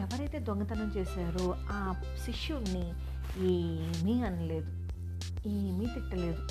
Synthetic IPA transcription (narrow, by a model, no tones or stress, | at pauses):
ɛʋɐɾɐjt̪e̞ːd̪oŋɡɐt̪ɐnɐmt͡ʃeːsaːɾu | aː | ʃiʂjunːi | eː | miːɐnɐle̞ːd̪u | iːmiːt̪iʈːɐle̞ːd̪u